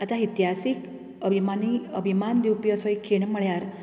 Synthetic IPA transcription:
at̪ʰait̪jɦasik | əbʱimaniə̰bʱimand̪iwpjɔsɔjkʰeɳməɭjaɾ

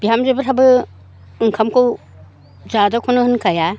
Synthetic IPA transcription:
biɦamzebɯtʰabɯ | ɯŋkʰamkʰow | zadakʰunɯhɯnkʰaja

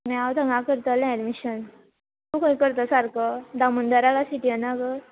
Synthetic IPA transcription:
naawt̪aŋɡakəɾt̪əlaɛɖmiɕən | t̪ukəĩkəɾt̪əsaɾkəd̪amund̪əɾalasiʈiənaɡə

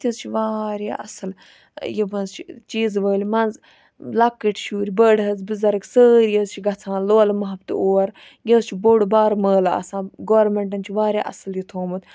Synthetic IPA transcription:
t̪izt͡ʃʰiʋaːɾja̰ːʔɐsɐl | jibɐnzt͡ʃʰit͡ʃiːzʋəːlimɐnz | lɐkːəʈʰʃuːɾʲibəːɽɦɐzbizɐɾɐksəːɾʲjəːzt͡ʃʰiɡɐt͡sʰãːloːlɐmɐɦɐbt̪ɨ̰oːɾ | jəːzt͡ʃʰiboɽubaːɾməːlaɐ̰sãːɡoːɾmeɳʈ̬ɐnt͡ʃʰiʋaːɾʲja̰ːʔɐsɐljit̪ʰoːmɨt̪

